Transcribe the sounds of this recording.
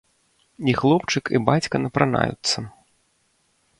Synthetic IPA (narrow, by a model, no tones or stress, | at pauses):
ixlˠɔpt͡ʂɨkibat͡sʲkɐnɐpɾana̰jṵt̪sːɐ